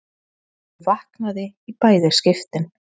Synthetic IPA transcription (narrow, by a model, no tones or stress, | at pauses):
vahknaðɪipaːjðɪɾ̥scɪft̪ɪn